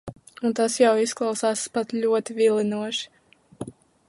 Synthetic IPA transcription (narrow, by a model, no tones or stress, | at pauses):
unt̪asjawisklˠawsaːspat̪ʎʲuɔt̪ivilˠinuɔʃi̥